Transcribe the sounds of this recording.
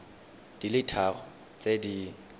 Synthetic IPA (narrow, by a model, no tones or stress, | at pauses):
d̥ilitʰarɔ | t͡sʼedi